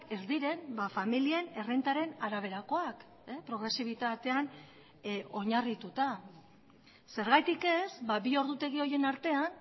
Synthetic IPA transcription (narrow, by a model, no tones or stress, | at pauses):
ke̞zd̪iɾe̞nbafamilie̞ne̞rent̪aɾe̞naɾaβ̞e̞ɾako̞ak | epɾo̞ɣ̞ɾe̞siβ̞it̪at̪e̞an | o̞ɲarit̪ut̪a | se̞ɾɣajt̪ike̞sbabio̞ɾðut̪e̞ɣ̞io̞je̞naɾt̪e̞an